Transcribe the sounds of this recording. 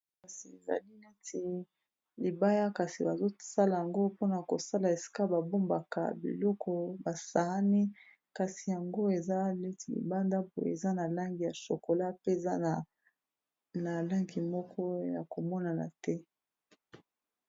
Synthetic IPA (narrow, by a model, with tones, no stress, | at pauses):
ka˨si˨e˨za̰˨li˦ne˦ti˨ | li˨ba˦ja˦ka˨si˨ba˨zo˦sa˦la˨ja˨ŋɡo˦po˦na˨ko˨sa˦la˨e˨si̥˦ka˦ba˨bo˦mba˨ka̰˨bḭ˨lɔ˦kʰɔ˦ba˨sa˨a˦ni˦ | ka˨si˨ja˨ŋɡo˦e˨za˦le˦ti˨lḭ˨ba˦nda˦po˦˨ḛ˨za˦na˨la˦ŋɡi˨ja˨so˨ko˨la˦pe˦˨za˦˨ | na˨la˦ŋɡi˨mɔ˦kʰɔ˦ja̰˨ko˨mɔ˦na˨na̰˨tɛ˦